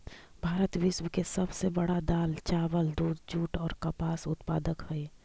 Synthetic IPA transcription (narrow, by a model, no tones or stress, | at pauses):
bʱaːɾət̪ʋɪʃwəkesɐbsebɐɽad̪aːlt͡ʃaːʋəld̪uːd̪d͡ʒuːʈɔːɾkəpaːsʊt̪paːd̪əkhɛe